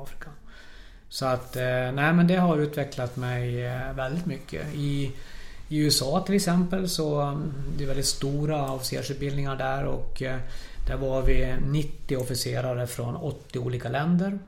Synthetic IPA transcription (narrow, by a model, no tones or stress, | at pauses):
fɾɪkʰa | sɔat̪ːnæɪmɛnd̪ɛɦaɾʉːt̪vɛklat̪mɛjvɛld̪ɪt̪mʏkʰːə̰ɪː | ʉɛsɑːt̪ʰɪlɛksɛmpəlsɔd̪ɛjvɛld̪ɪt̪st̪uːɾaɔfɪsḛːʂʉt̪̚bɪlnɪŋaɖæɾɔ̰k | d̪̥æɾvaɾvɪnɪt̪ːɪɔfɪseːɾaɾəfɾɔ̰nɔt̪ːɪuːliːkalɛnd̪əɾ